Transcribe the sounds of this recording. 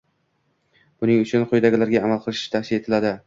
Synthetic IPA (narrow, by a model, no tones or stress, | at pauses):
b̥ʊnɪŋʊt͡ʃʰʊnqʰojd̪aɡʲɪlaɾɡʲaːmalˠqʰɨlˠɪʃɪɪ̥t̪ʰahsɪle̞t̪ʰɪlad̪ɪ